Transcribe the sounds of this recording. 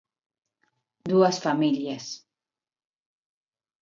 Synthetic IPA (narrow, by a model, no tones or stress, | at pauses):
d̪uasfamiljas